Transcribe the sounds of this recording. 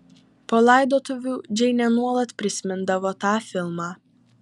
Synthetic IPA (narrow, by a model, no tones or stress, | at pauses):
poːlˠɑɪd̪oːt̪ʊʋʲuːd͡ʒʲɛɪnʲɛnuɔlˠɐt̪pʲɾʲɪsʲmʲɪnd̪ɐʋoːt̪ɑːfʲɪlˠmɑː